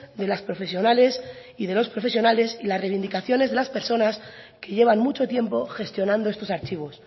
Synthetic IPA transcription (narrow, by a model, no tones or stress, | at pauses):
d̪e̞laspɾo̞fe̞sjo̞nale̞s | iðe̞lo̞spɾo̞fe̞sjo̞nale̞silasrejβind̪ikaθjo̞ne̞zðe̞laspe̞ɾso̞nas | ke̞ʝe̞β̞anmut͡ʃo̞t̪je̞mpo̞xe̞st̪jo̞nãnd̪oe̞st̪o̞saɾt͡ʃiβ̞o̞s